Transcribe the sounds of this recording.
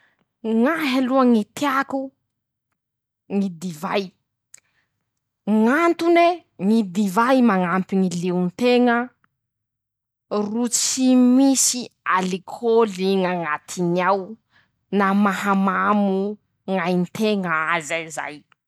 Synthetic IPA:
ŋaɦaluaŋit̪eaku | ŋid̪iva̰j | ŋant̪uneŋid̪ivajmaŋampiŋileunt̪eŋə | rut͡simisialikʰoliŋaŋat̪ʰiniaw | namahamamu | ŋajnt̪ʰeŋəazaza̰j

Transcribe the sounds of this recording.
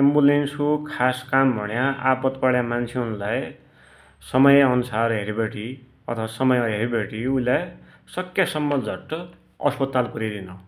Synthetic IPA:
embulensokʰaskambʱʌɽjãapʌt̪paɽjamant͡sʰeuɾulaj | sʌmʌjʌnusarɦeɾibeʈi | ʌt̪ʰʌwasʌmʌjʌɦeɾibʱeʈiuilaj | sʌkjasʌmːʌd͡zʱʌʈ | ʌ̰spʌt̪alkuɾid̪inʌ

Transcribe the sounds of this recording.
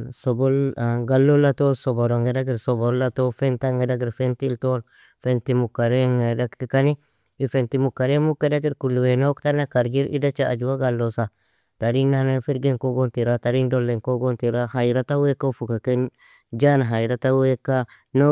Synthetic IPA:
sobolɡalːolatolsoboɾoŋɡedaɡiɾsoboɾlatofentaŋɡedaɡiɾfentiltol | fentimukːaɾeŋedakkikani | ifentimukːaɾemukːedaɡiɾkulːuwenoktanakaɾɡiɾḭdat͡ʃaa̰d͡ʒuwaɡalːosa | taɾinːanefiɾɡiŋkoɡontiɾataɾindolːeŋkoɡontiɾahajɾatawekafukaken | d͡ʒanaɦaiɾatawekːa | no

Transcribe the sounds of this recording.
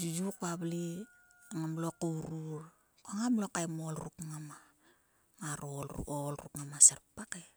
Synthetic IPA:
d͡ʒud͡ʒukuabli | ŋamlokowɾuɾ | koŋamlokajmolɾukŋama | ŋaɾol̰olɾṵkŋamaseɾpake

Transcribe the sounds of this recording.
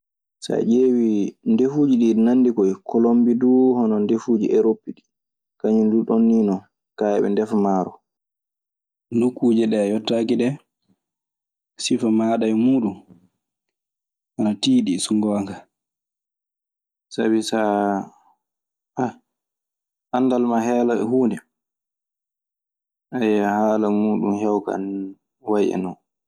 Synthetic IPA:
sa̰d͡ʒeːwindefuːd͡ʒiɗinanːdikɔjkʰɔlombiduhɔnɔndefuːd͡ʒḭʔɛɾopːiɗi̥ | kaɲinduɗonːiːnɔ | kajɛɓɛ̰ndɛfmaːɾɔ | nukːuːd͡ʒɛɗɛjɔtːaːkiɗɛ | sifamaːɗajmuːɗum | ʔanatiːɗisuŋɡɔŋɡa | sa̰bisa | ʔa | ʔanːdalmaɦɛːlaɛ̰huːndɛ | ʔajahaːlamuːɗumhɛwka̰n | wajʔɛ̰nɔ

